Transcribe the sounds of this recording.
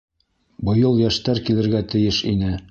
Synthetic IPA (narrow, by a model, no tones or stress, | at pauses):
bɤ̆jɤlˠjæʃt̪æɾkilɘ̆ɾɡæt̪ɘ̆jɘʃinɘ